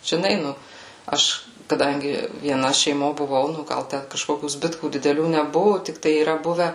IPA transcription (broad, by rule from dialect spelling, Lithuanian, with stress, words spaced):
ʒʲɪˈnɐɪ ˈnʊ ˈɐʃ kɐˈdɐŋʲɡʲɪ ʋʲiɛˈnɐ ʃʲɛɪˈmoː bʊˈʋɐʊ nʊ ˈɡɐlˠ ˈtʲɛn kɐʃˈkoːkʲuː ˈzʲbʲɪtkuː dʲɪdʲɛˈlʲuː nʲɛˈbʊʋʊ tʲɪkˈtɐɪ iːˈrɐ ˈbʊʋʲɛ